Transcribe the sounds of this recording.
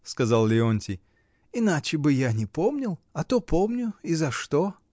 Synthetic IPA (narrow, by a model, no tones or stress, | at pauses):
skɐzalˠlʲɪonʲtʲɪj | ɪnat͡ɕɪbɨjanʲɪpomnʲɪlˠɐt̪opomnʲʊizɐʂt̪o